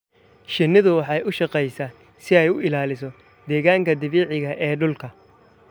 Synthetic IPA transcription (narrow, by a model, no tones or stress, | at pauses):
ʃɪnɪðʊwɑħɑjʊʃɑqɛjsaː | sɪɛjʊɪlaːlɪsɔ | d̪ɛːɣaːŋkʰɐd̪ɐβiːʕɪɣɐʔɛːɖʊlkʰɐ